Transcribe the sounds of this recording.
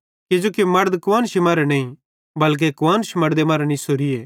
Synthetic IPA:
kɪd͡ʒoːkimɐɾd̪kʊʋaːnʃimaːɾɛnɐːĩ | bɐlk̬ekʊʋaːnʃimɐɾd̪emaːɾɛnĩsoːɾieː

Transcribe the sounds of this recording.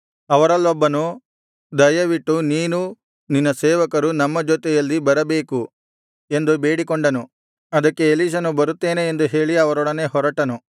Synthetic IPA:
ɐʋɐɾɐlːɔbːɐnu | d̪ɐjɐʋiʈːuniːnu | ninːɐsɛːʋɐkɐɾunɐmːɐd͡ʒoːt̪ɛjɐlːibɐɾɐbeːku | e̞nd̪ube̞ːɽikoɳɖɐnu | ɐd̪ɐkːe̞ːliːʃ̬ɐnubɐɾut̪ːeːneːnd̪uɦe̞ːɭiɐʋɐɾɔɽɐne̞ːɦɔɾɐʈɐnu

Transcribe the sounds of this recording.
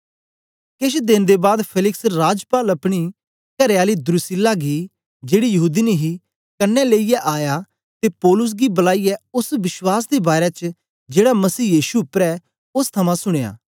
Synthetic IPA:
kɪʃd̪ɪ̃nd̪ebaːd̪pʰelɪksɾaːd͡ʒpaːlɐpɽ̃i | kɐɾeaːlid̪ɾʊsɪlaːɡi | d͡ʒeːɽijɐɦuːd̪ineɦi | kɐnːɛleːijɛʔaːja | t̪epɔːlʊs̬ɡibɐlaːiɛʊsʋɪswaːsd̪ebaːɾɛt͡ʃ | d͡ʒeːɽamɐsiːjiːʃuʊpɾɛ | ʊst̪ʰɐmãsʊɽ̃eːa̰ː

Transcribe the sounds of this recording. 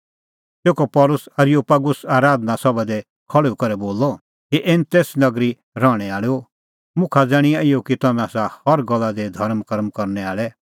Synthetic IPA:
seːkɔpɔlʊsɐɾjoːpaɡʊsaːɾaːd̪nasɔbad̪ɛ | kʰɔɭeukɐɾɛboːlɔ | kiʔent̪eːsnɐɡɾi | ɾɔːɽ̃ɛaːɭo | mʊ̃kʰad͡zaːɽ̃iaɪjokit̪ɐnãsahɐɾɡɔlːad̪ɛd̪ʱɐɾmkɐɾmkɐɾnɛaːɭɛ

